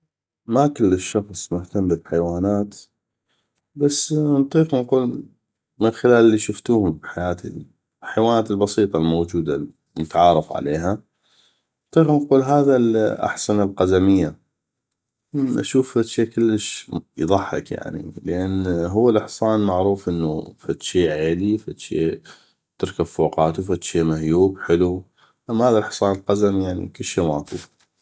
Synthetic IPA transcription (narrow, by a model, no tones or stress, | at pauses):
makəlːəʃːɑxsˤmʊht̪ambɪlħajwaːnaːt̪ | basːnt̪ˤiːqnquːl | mənxɪlaːlɪlːiʃʊft̪uːhʊmbħajaːt̪ʰḭ | lħajwaːnaːt̪ɪlbɑsˤiːt̪ˤɑlmoːd͡ʒuːd̪a | mʊt̪ʕɑːɾˤɑfʕa̰leːɦa | nt̪ˤiːqnquːlɦaːðalʔa̰ħsanəlqɑzamɪjːa | ʔaʃuːfːat̪ʃiːkəlːəʃjðˤɑħːa̰kja̰ʕnḭləʔanɦʊwːalʔɪħsˤɑːnmaʕɾuːfʔɪnːṵfat̪ʃiːʕeːlifat̪ʃḭː | t̪ɪɾkabfoːqɑːt̪ufat̪ʃiːmahjuːbħɪlu | ʔamːahaːðaʔɪħsˤɑːnlqazamjaʕnḭkɪlːʃiːmaːkṵːf